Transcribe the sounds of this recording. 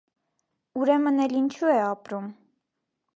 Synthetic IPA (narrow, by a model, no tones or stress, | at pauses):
uɾɛmənɛlint͡ʃʰuɛɑpɾum